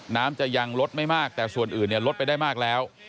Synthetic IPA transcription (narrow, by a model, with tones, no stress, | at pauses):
naː˦˥mt͡ɕa˨˩ja˧ŋlo˦˥t̪̚ma˥˩jmaː˥˩k̚t̪ɛː˨˩su˨˩ənʔɯː˨˩nːi˥˩əlo˦˥t̪̚pa˧jdaː˥˩jmaː˥˩k̚lɛː˦˥w